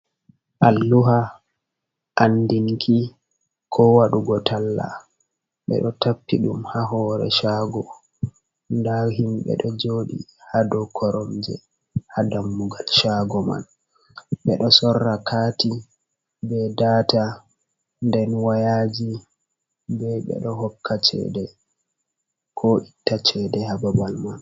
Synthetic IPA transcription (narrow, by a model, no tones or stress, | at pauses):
ʔalːuɦa | ʔandiŋkʰi | kʰɔwaɗuɡɔtalːa̰ | ɓɛ̰ɗɔtapːiɗumhaɦɔːɾɛ̰ʃaːɡɔ | ndaɦimɓɛ̰ɗɔd͡ʒoːɗḭhadɔkʰɔɾɔmd͡ʒɛ | hadamːuɡalʃaɡɔma̰n | ɓɛɗɔsɔrːakʰati | bɛdaːta | ndɛnwajad͡ʒi | bɛɓɛ̰ɗɔɦɔkʰːat͡ʃɛ̰dɛ | kʰɔʔitːat͡ʃɛdɛhababalman